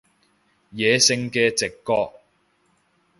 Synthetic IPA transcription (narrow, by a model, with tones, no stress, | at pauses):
jɛː˨sɪ˧ŋkɛː˧t͡sɪ˨kːɔː˧k̚